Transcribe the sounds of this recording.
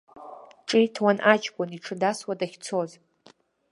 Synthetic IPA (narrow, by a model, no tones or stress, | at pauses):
ʈ͡ʂʼitʰwanʔat͡ʃɡʷɔniʈ͡ʂʰɨdaswadaχʲt͡sʰoz